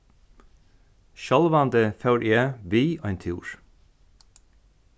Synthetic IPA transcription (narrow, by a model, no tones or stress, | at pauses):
ʃɑlʋɑnd̪əfœʉɾʔeːʋiːoɛnt̪ʰṵːɹ